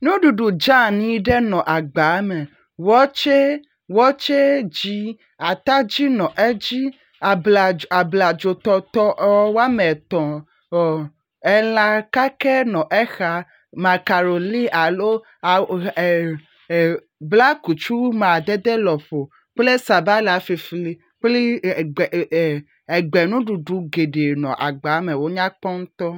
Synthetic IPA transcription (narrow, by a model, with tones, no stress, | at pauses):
nũ˦ɖu˨ɖu˨d͡ʒã˦˨nĩ˦ɖɛ˦nɔ̃˨ʔa˨ɡ͡ba˨˦mɛ˨ | wɔ˦t͡ʃe˦ | wɔ˦t͡ʃe˦d͡ʒi˦ | a˨t̪a˦d͡ʒi˦nɔ̃˨ʔɛ˦d͡ʒi˦˨ | a˨bla˨d͡ʒo˨t̪ɔ˧t̪ɔ˦ʔwa˦mɛ˨t̪ɔ̃˨ | ɛ˨lã˦ka˦kɛ˦nɔ̃˨ʔɛ˦xa˨ | mã˨ka˨ɾo˨li˦ʔa˨lo˦˨ | bla˦ku˨t͡ʃu˦mã˨d̪ɛ˦d̪ɛ˦lɔ˨ɸo˨ | k͡ple˦sa˨ba˦la˨fi˨fli˦ | k͡ple˦˨ | e˨ɡ͡be˨nũ˦ɖu˨ɖu˨ɡe˨ɖe˨nɔ̰̃˨ʔa˨ɡ͡ba˨˦me˨wo˦ɲã˦k͡pɔ˦ŋ̩˦t̪ɔ˦